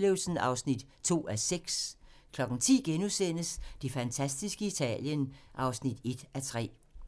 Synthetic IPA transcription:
le̝ʊlsn̩ɑ̈ʊsnid̥ | t͡sʰo̝̰ːæseɡ̥skʰlɒ̽ɡ̥n̩t͡sʰḭːɡ̥enusen̰əsd̥e̝fænt͡sʰæsd̥isɡ̥əit͡sʰɛ̰ːljənʔɑ̈ʊsnid̥e̝d̥ʔæt͡sʰʁɛ̰ː

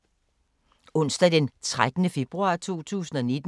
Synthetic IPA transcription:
ɔ̽n̰sd̥ɐd̥ent͡sʰʁad̥nəfe̝b̥ʁuɑ̈t͡sʰu̝̰ːt͡sʰṵːsn̩ɒ̽ne̝d̥

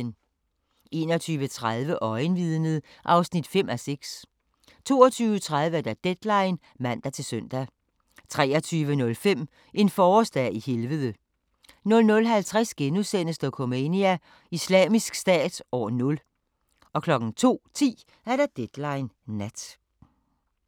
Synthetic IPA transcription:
n | e̝̰ːnɒt͡sʰyːʋət͡sʰʁaðˠʋəʔɒ̽ɪnʋiðˠnəð̩ˠʔɑ̈ʊsnid̥fem̰ʔæseɡ̥s | t͡sʰo̝ːɒt͡sʰyːʋət͡sʰʁaðˠʋəæɐd̥æd̥ed̥lɑ̈ɪn | mæn̰d̥æt͡sʰe̝lsøn̰d̥æ | t͡sʰʁɛ̰ːɐt͡sʰyːʋənɔ̽lfem̰ | ʔe̝nfɒːsd̥æihelʋəðˠə | nɔ̽lnɔ̽lɦælt͡sʰʁasɡ̥enusenəsd̥ɒkʰomeniæ | islɛ̰ːmisɡ̥sd̥ɛ̰ːd̥ɒːnɔ̽l | ɒ̽kʰlɒ̽ɡ̥ŋ̩t͡sʰo̝̰ːt͡sʰḭː | æɐɾ̥æd̥ed̥lɑ̈ɪnːæd̥

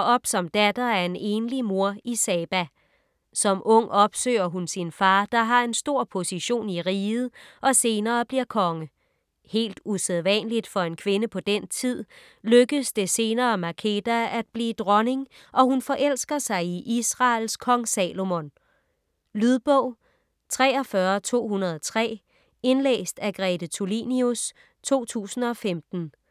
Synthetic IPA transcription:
ɒ̽b̥sɒ̽md̥æd̥ɐæɐe̝ne̝ːnlimo̝ɐ̰isɛːb̥æ | sɒ̽mʔɔ̽ŋ̰ɒ̽b̥sø̰ːɐɦunsinfɑ̈ːd̥ɑ̈ɦɑ̈e̝nsd̥o̝ɐ̰pʰo̝siɕo̝̰ːniʁiːð̩ˠʔɒ̽se̝ːnɐːb̥liɐkʰɒ̽ŋə | he̝̰ːld̥useðˠʋænlid̥fɒ̽e̝nkʰʋe̝nəpʰɒ̽d̥en̰t͡sʰið̰ˠ | løɡ̥əðsd̥e̝se̝ːnɐːmækʰe̝d̥ææd̥̚b̥liːd̥ʁɒ̽ne̝ŋ | ʔɒ̽ɦunfɒ̽ʔel̰sɡ̥ɐsɑ̈ɪiʔisʁɑ̈ːlskʰɒ̽ŋsɛːlo̝mon | lyð̞ˠb̥ɔʊ̰ | t͡sʰʁɛ̰ːɒ̽fɶːɐt͡sʰo̝̰ːhunɐð̞ˠɒt͡sʰʁɛ̰ː | e̝nlḛːsd̥æɡ̥ʁɛd̥ət͡sʰulinius | t͡sʰo̝̰ːt͡sʰṵːsn̩ɒ̽femd̥n̩

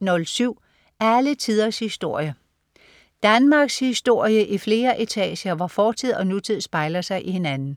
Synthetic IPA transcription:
nɔ̽lsyʊ̰ | æælət͡sʰið̞ˠɐshisd̥o̝ɐ̰jə | d̥ænmɑ̈ɡ̥shisd̥o̝ɐ̰jəʔifle̝ːɐʔet͡sʰɛ̰ːɕɐʋɑ̈fɒːt͡sʰið̞̰ˠɒ̽nut͡sʰið̞̰ˠsb̥ɑ̈ɪlɐsɑ̈ɪʔihe̝nænn̩

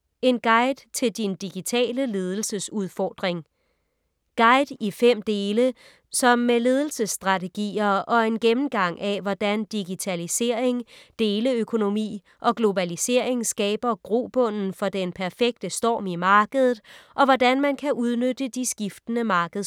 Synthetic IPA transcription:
e̝nɡ̥ɑ̈ɪd̥t͡sʰe̝ld̥ind̥iɡ̥it͡sʰɛ̰ːləle̝ð̞ˠl̩səsuð̞ˠfɒːd̥ʁeŋ | ɡ̥ɑ̈ɪd̥ifem̰d̥e̝ːlə | sɒ̽mːele̝ð̞ˠl̩səsːd̥ʁɑ̈t͡sʰe̝ɡ̥ḭːɐʔɒ̽e̝nɡ̥emm̩ɡ̥ɑ̈ŋ̰ʔæʋɒd̥ænd̥iɡ̥it͡sʰælise̝ɐ̰e̝ŋd̥e̝ːləøkʰo̝no̝mḭː | ʔɒ̽ɡ̥lo̝bælise̝ɐ̰e̝ŋsɡ̥ɛ̰ːb̥ɐɡ̥ʁo̝̰b̥ɔ̽n̰n̩fɒ̽d̥enpʰæɐfeɡ̥̚d̥əsd̥ɒ̰ːmimɑ̈ːɡ̥əðˠð̩ˠʔɒ̽ʋɒdænmænkʰæʔuð̞ˠnød̥əd̥isɡ̥ifd̥ənəmɑ̈ːɡ̥əð̩ˠ

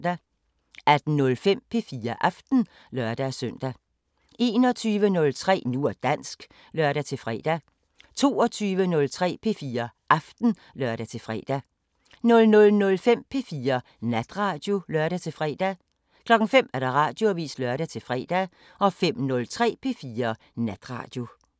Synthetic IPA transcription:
d̥æ | æd̥n̩nɔlfem̰pʰe̝fiːɐʔɑfd̥n̩ | lɶɐd̥æsœn̰d̥æ | e̝ːnɒ̽t͡sʰyːʋənɔ̽lt͡sʰʁɛ̰ːnuɐd̥æn̰sɡ̥ | lɶɐɾ̥æt͡sʰe̝lfʁɛ̰ːd̥æ | t͡sʰo̝̰ːɒ̽t͡sʰyːʋənɔ̽lt͡sʰʁɛ̰ːpʰe̝fiːɐʔɑfd̥n̩ | lɶɐɾæt͡sʰe̝lfʁɛ̰ːd̥æ | nɔ̽lnɔ̽lnɔ̽lfem̰pʰe̝fiːɐ | næd̥ʁɑ̈ːd̥jo̝lɶɐɾ̥æt͡sʰe̝fʁɛ̰ːd̥æ | kʰlɒ̽ɡ̥ŋ̩fem̰æɐɾ̥ɑ̈ʁɑ̰̈ːd̥jo̝æʋḭːslœɐɾ̥æt͡sʰe̝lfʁɛ̰ːd̥æ | ɒ̽fem̰nɔ̽lt͡sʰʁɛ̰ːpʰe̝fiːɐ | næd̥ʁɑ̰̈ːd̥jo̝

